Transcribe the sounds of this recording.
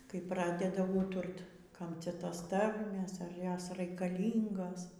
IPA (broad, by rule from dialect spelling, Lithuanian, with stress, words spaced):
kɐɪ ˈprɑːdʲɛdɐ ˈuːtʊrt ˈkɐm ˈt͡sʲɛ ˈtoːs ˈtɐrʲmʲeːs ɐr ˈjoːs rɐɪkɐˈlʲiːŋɡoːs